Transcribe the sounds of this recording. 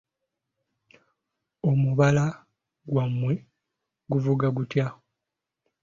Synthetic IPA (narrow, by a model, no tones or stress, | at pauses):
o̞muβala | ɡwamːwe | ɡuvuɡaɡutja